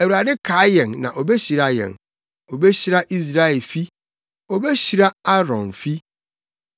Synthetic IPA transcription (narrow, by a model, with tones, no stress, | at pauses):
æ˨wu˨ɾa˨dɪ˦kʰa˨˦jɛ̃˨nnã̰˨ʔo˨bɛ˦ɕi˨ɾa˦jɛ̰̃˨n | o˨bɛ˦ɕi˦ɾa˦ʔi˦s̬ɾa˦ɛ˨lfi˦ | ɔ˨bɛ˦ɕi˨ɾa˦a˦ɾɔ̰̃˨nfi˦